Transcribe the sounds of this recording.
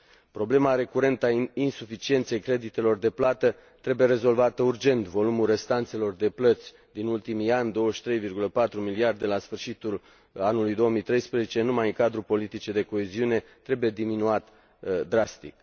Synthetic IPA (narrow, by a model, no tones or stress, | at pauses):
pɾo̞ble̞maɾe̞kuɾe̞nt̪ainsufit͡ʃie̞nt̪se̞jkɾe̞d̪it̪e̞lo̞rd̪e̞plat̪ə | t̪ɾe̞buje̞ɾe̞zo̞lvat̪əurd͡ʒe̞nt̪vo̞lumulre̞st̪ant̪se̞lo̞rd̪e̞plət̪sʲ | d̪inult̪imianʲd̪o̞wəʃt̪ɾe̞jvirɡuləpat̪ɾumiliard̪e̞lasfɨrʃit̪ul | anulujd̪o̞wəmijt̪ɾe̞jspɾezet͡ʃe̞numajɨŋkad̪ɾupo̞lit̪it͡ʃed̪e̞ko̞eziune̞t̪ɾe̞buje̞d̪iminuat̪ | d̪ɾast̪ḭk